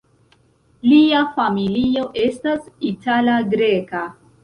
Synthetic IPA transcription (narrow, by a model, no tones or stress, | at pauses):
liafamilio̞ʔe̞stasitalaɡɾe̞ka